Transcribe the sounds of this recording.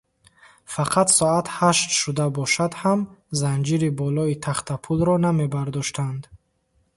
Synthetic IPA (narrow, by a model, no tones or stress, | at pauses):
faqʰat̪sɔat̪haʃt̪ʃud̪abɔʃad̪hamzand͡ʒiɾibɔlɔit̪ʰaχt̪apʰulɾɔname̞baɾd̪ɔʃt̪and̪